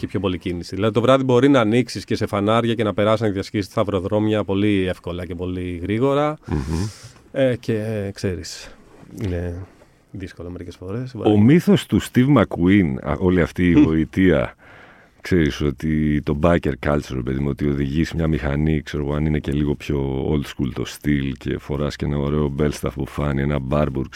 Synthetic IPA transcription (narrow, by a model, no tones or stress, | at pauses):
cepço̞po̞licinisiðilɐðit̪ovɾɐðibo̞ɾinɐːniksisce̞se̞fɐnɐɾʝɐce̞nɐpe̞ɾɐsisnɐðʝɐscisi̥st̪ɐvɾo̞ðɾo̞mjɐpo̞liefko̞lɐce̞po̞liɣɾiɣo̞ɾɐ | ece̞kse̞ɾis | ine̞ | ðisko̞lɐme̞ɾice̞sfo̞ɾe̞so̰omiθo̞st̪ust̪ivmɐkuin̰ʔo̞liɐft̪iːvo̞it̪iɐ̰ | kse̞ɾiso̞t̪it̪o̞bɐce̞ɾkɐlseɾe̞pe̞ðimo̞t̪io̞ðiʝismɲɐmixɐnikse̞ɾo̞ɣoɐnine̞ce̞liɣo̞pço̞o̰ld̪skult̪o̞̰st̪ilce̞̰fo̞ɾɐsce̞nɐo̞ɾe̞o̞be̞lst̪ɐfpufɐnie̞nɐbɐɾbuɾk